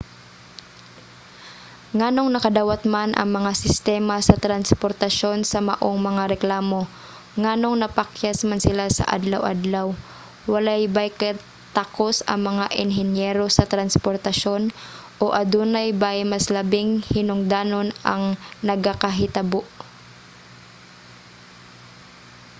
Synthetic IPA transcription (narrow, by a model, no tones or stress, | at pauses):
ŋaːno̞ŋnɐkɐd̪aːwɐt̪̚manʔɐ̰ŋmɐŋasɪst̪ɛːmɐsɐt̪ɾɐnspoɾt̪ɐʃo̞nsɐmɐʔo̞ŋmɐŋaɾɛklaːmo̞ | ŋaːno̞ŋnɐpɐkjasmansɪlasɐ̰ʔa̰d̪lɐwʔa̰d̪law | wɐlajbajka | t̪ako̞sɐ̰ŋmɐŋaʔɪnɦɛnjɛɾo̞sɐt̪ɾɐnspoɾt̪ɐʃo̞nʔoʔɐd̪unɐjbajmɐslɐbɪŋhɪnʊŋd̪aːno̞nɐ̰ŋnɐɡakɐɦɪt̪ɐboʔ